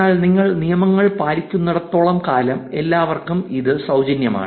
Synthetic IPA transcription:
aːɭniŋːɐɭnijɐmɐŋːɐɭpaːɾikʲːunːɐɽɐt̪ːoːɭɐmkaːlɐme̞lːaːʋɐrkumiðɨsɐwd͡ʑɐnjɐma̰ːɳ

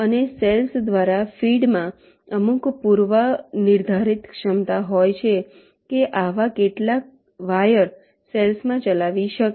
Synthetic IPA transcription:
əneselsd̪ʋaɾafiɖmã | əmũkpuɾʋənɪɾd̪ʱaɾit̪kʃəmt̪aɦojt͡ʃʰe | keʔaʋakeʈlak̚ | ʋajəɾ | selsmãt͡ʃəlaʋiʃək

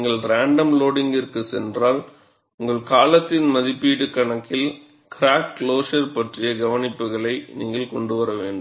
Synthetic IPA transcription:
ŋɡɐɭɾaːɳɖɐmloːɽɪŋɡɪrkɯsɛ̰ndraːl | ʊŋɡɐɭkaːlɐt̪ːɪnmɐðɪpːiːɽɯkːɐɳɐkːɪl | kɪɾaːk̚kloːʂɐɾpɐʈrɪjɐɡɐʋɐnɪpːɯɣɐɭɐɪniːŋɡɐɭkɔɳɖɯʋɐɾɐʋḛːɳɖɯ

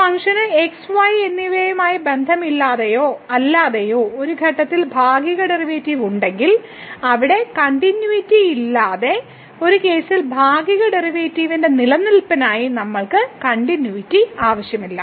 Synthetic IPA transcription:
pɐŋʂɐnɨeksʋaːjenːiʋeːjumaːjibe̞nd̪ʱɐmilːaːðejo̞ːɐlːaːðejoːoɾuɡʱɐʈːɐt̪ːilbʱaːɡiɣɐɖeriʋeːtːiːʋuɳɖe̞ŋɡil | ɐʋiɽe̞kɐɳʈinjuitːiilːaːðe̞ | o̞ɾuke̞ːsilbʱaːɡiɣɐɖeriʋeːtːiːʋinde̞nilɐnːilpɐnaːjinɐmːɐɭkɨkɐɳʈinjuitːiaːʋɐɕjɐmilːɐ

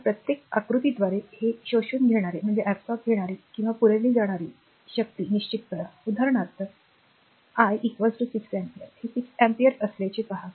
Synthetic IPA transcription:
pɾət̪jekakɾut̪id̪ʋaɾeheɕoɕuːnɡʱeɽ̃aɾem̤əɳd͡zeʔæpsɔpɡʱeɽ̃aɾekĩw̃ʋapuɾaliːd͡zaɽ̃aɾiː | ɕək̚t̪iːniɕt͡ɕit̪̚ːkəɾaud̪ʱaɾəɳat̪ | ajikʋad͡zʈusiksɛmpiəɾhesiksɛmpiəɾəslat͡ɕipaɦa

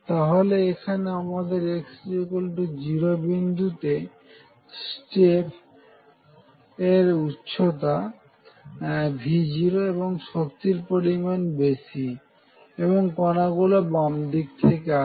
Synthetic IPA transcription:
t̪aɦoleekʰaneamad̪eɾeksekolʈod͡ʑiɾobind̪ʱut̪e | sʈep | eɾutːɕʰot̪̬a | bʱid͡ʑiɾoeβoŋʃok̚t̪iɾpoɾimanbesi | eβoŋkɔnaɡulobamd̪ik̚t̪ʰekea

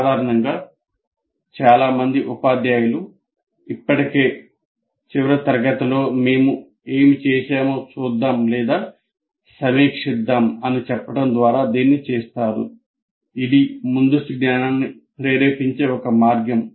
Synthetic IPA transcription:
aːd̪ʱaːɾɐɳɐŋɡaː | t͡ʃaːlaːmɐnd̪iʔupaːd̪jaːjɐlu | ipːɐʈike̞ː | t͡ʃiʋɐɾɐt̪ɐɾɐɡɐt̪ɐlo̞ːme̞ːmu | eːmit͡ʃɛːʃeːmoːt͡ʃuːd̪ːaːmlɛːd̪aː | sɐmiːkʂid̪ːaːmɐnit͡ʃɛpːɐʈɐnd̪ʋaːɾaːd̪iːnːit͡ʃɛːst̪aːɾṵ | id̪imund̪ɐst̪iɡnaːnaːnnːipɾeːɾeːpiɲt͡ʃe̞ːɔkɐmaːɾɡjɐm

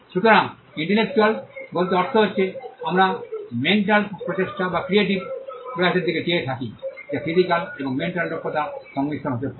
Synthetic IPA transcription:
ʃut̪oɾaŋ | iɳʈeɾlek̚t͡ɕualbolt̪oɔɾt̪ʰoɦotːɕʰeamɾameɳʈalpɾot͡ɕeʃʈabakɾieʈibpɾojaseɾd̪iketeet̪ʰakid͡ʑafʰizikaleboŋmeɳʈalɖɾokːot̪aʃɔŋmit̪ʰːonɦot̪epa

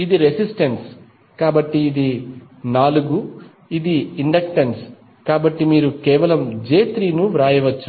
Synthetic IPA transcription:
id̪iɾesisʈɐns | kaːbɐʈːiːd̪i | naːluɡu | id̪iiɳɖɐk̚ʈɐns | kaːbɐʈːimiːɾukɛːʋɐlɐmd͡ʒeːt̪ɾiːnuʋɾaːjɐʋɐt͡ʃːu̥

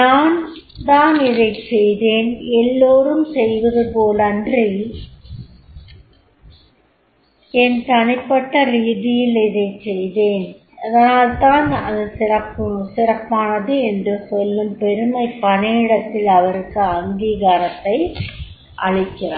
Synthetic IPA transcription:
naːn | t̪aːnɪðɐɪt͡ʃːɛjðeːnɛlːoːrɯmsɛjʋɐðɯpoːlɐndri | ɛnt̪ɐɳɪpːɐʈːɐɾiːðɪjɪlɪðɐɪt͡ʃːɛjðeːn | ɐðɐnaːlt̪aːnɐ̰ðɯsɪrɐpːɯɳsɪrɐpːaːnɐðɯɛndrɯsɔlːɯmpɛɾɯmɐɪpːɐneːɽɐt̪ːɪlɐʋɐɾɯkːɯɐŋɡiːɣaɾɐt̪ːɐɪ | ʔɐ̰ɻɪkːɪrɐ

